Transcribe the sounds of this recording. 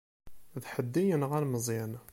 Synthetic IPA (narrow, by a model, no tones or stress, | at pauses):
ðħəd̪ːijənʁalməzˤæn